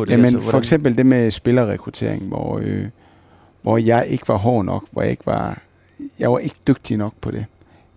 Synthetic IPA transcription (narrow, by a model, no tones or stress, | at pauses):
jæmenɒɡ̥sem̰b̥əl̩d̥e̝mesb̥e̝lɐʁɛkʰʁʊt͡sʰe̝̰ɐ̰eŋʋɒ̰ø | ʋɒjɑ̈ɪʔe̝ɡ̥əʋɑ̈ɦɒ̰ːnɒ̽ɡ̥ʋɒ̰jɑ̰e̝ɡ̥əʋɑ̈ | jɑ̈ɪʋɑ̈ʔe̝ɡ̥əd̥øɡ̥̚d̥inɒ̽ɡ̥̚pʰɒ̽d̥e̝